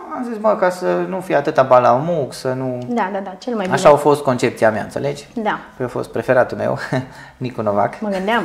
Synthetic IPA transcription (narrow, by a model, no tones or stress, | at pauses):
amzisməkasənufijat̪ɨt̪abalamuksənud̪ad̪ad̪at͡ʃelmajiaʃaofo̞st̪̚ko̞nt͡ʃe̞p̚t̪sijamija̰ɨnsele̞d͡ʒʲd̪apəjoafo̞̰st̪pɾe̞fe̞ɾat̪umḛw | nikonova̰kməɡɨnd̪eam